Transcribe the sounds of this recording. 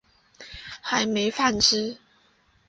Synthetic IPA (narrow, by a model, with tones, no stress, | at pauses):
xa˨˦ɪme˨˧˦ɪfa˥˨nʈ͡ʂɻ̩˥